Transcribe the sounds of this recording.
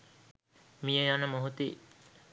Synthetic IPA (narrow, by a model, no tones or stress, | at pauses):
mijəjanəmoɦut̪i